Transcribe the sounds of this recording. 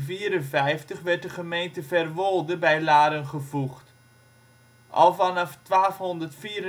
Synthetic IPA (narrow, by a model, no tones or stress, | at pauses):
viːɾənvɛjftəχʋɛɹt̚dəχəmejntəvɛrʋolˠdəbɛjlaːɾənχəvuχt | ʔɑ̰lˠvanɑftʋaːfɦɔndərtfiːɾə